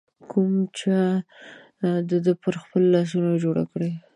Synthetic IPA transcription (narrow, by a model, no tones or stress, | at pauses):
kʰumt͡ʃa | d̪əd̪əpəɾxpəlːɑs̬unod͡ʒoɽa̰kɽe